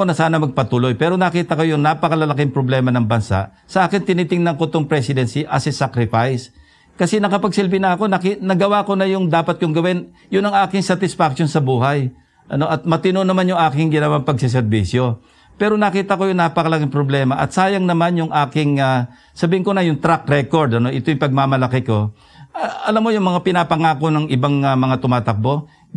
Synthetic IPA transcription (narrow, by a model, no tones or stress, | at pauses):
onɐsaːnɐmɐɡ̚pɐt̪uːlo̞jpɛːɾo̞nɐkiːt̪ɐkojʊŋnaːpɐkɐlɐlɐkɪŋpɾoblɛːmɐnɐŋbɐnsa̰ʔ | sɐʔaːkɪnt̪ɪnit̪ɪŋnɐŋkʊt̪oŋpɾɛsɪd̪ɛnsiʔɐsɪsakɾɪfajs | kɐsɛnɐkɐpɐɡ̚sɪlbɪnɐɐko̞nɐkinɐɡɐwako̞nɐjʊŋd̪aːpɐt̪̚kʊŋɡɐwɪn | jʊnɐŋʔaːkɪŋsat̪ɪsfak̚ʃonsɐbuːɦaj | ʔɐno̞ʔɐt̪̚mɐt̪ɪnonɐmanjʊŋʔaːkɪŋɡɪnɐwaŋpɐɡsɛs̬ɛɾbiːsjo̞ | pɛːɾo̞nɐkiːt̪ɐko̞jʊŋnaːpɐkɐlaɡɪŋpɾoblɛːmɐʔɐ̰t̪̚saːjɐŋnɐmanjʊŋʔaːkɪŋa | sɐbiːhɪŋkonɐjʊŋt̪ɾak̚ɾɛko̞ɾd̪ɐno̞ʔɪt̪ojʊŋpɐɡ̚mamɐlɐkɪko̞ | ʔaʔɐlamːo̞jʊŋmɐŋapɪnapɐŋaːko̞nɐŋɪbaŋamɐŋat̪ʊmaːt̪ɐk̚bo̞